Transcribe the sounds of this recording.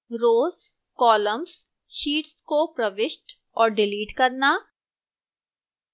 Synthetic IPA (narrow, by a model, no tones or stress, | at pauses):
ɾoːz | kɔːləms | ʃiːʈskopɾəʋɪʃʈ | ɔːɾɖɪliːʈkɐɾnaː